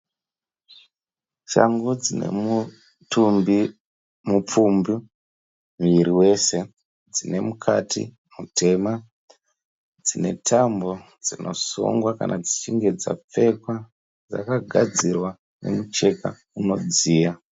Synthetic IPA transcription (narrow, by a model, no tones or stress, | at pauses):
t͡ʃa̰ŋɡud͡zine̞̰mu | tumbi | mup͡fumbi | miɾiwe̞se̞ | d͡zine̞mukʰatʰḭ | mutʰe̞ma | d͡zine̞tʰambo̞ | d͡zino̞̰sṵŋɡwaka̰nʔad͡zit͡ʃiŋɡe̞d͡za̰p͡fe̞kwa | d͡za̰kaɡʱad͡zirwa | ne̞̰mut͡ʃe̞ka̰ | uno̞d͡ziːja